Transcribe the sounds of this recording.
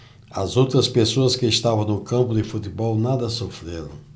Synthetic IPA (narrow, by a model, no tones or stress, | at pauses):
ɐzowt̪ɾɐspesoɐskɪːst̪avɐ̃w̃nʊkɐ̃mpʊd̪ɪfut̪ɪbɔwnad̪ɐsofɾeɾɐ̰̃w̃